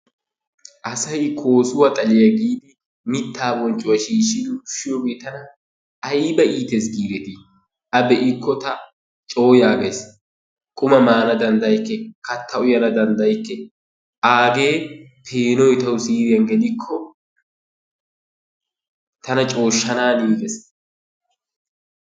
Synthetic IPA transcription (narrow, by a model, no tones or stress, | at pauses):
ʔɐsɐjkʰoːsʊwɐt̪ʼɐlɪjɐɡiːd̪ɪ | mɪt̪ʰːaːbɔnt͡ʃʼʊwɐʃiːʃɪnʊʃːɪjoːɡeːt̪ɐnɐː | jbɐʔiːt̪es̬ɡiːɾɛt̪ɪ | ʔɐbɛʔɪkʰːɔt̪ɐ | t͡ʃʼo̞ːjaːɡɐjs | kʼʊmɐmaːnɐd̪ɐnd̪ɐjkːɛkɐt̪ʰːɐʊjɐnɐd̪ɐnd̪ɐjkːɛ | ʔaːɡe̞ː | pʰeːnɔjt̪ɐwʊsiːɾɪjɐnɡɛlɪkʰːɔ | t̪ɐnɐt͡ʃʼo̞ːʃːɐnaːniːɡɛs